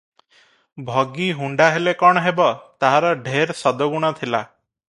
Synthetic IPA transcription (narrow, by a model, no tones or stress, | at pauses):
bʱɔɡiɦuɳɖaɦelekɔɽ̃ɔɦebɔt̪aɦaɾɔɖʱeɾsɔd̪ɔɡuɽ̃ɔt̪ʰila̰